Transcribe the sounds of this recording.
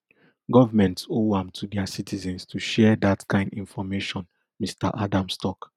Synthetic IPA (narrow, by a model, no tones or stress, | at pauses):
ɡɔvamɛ̃ntsoãmtʰudɛasitʰizɛ̃nstʰuʃɛdatkʰãɪ̃ndĩnfɔmeʃɔ̃n | mista̰ʔadãmstɔk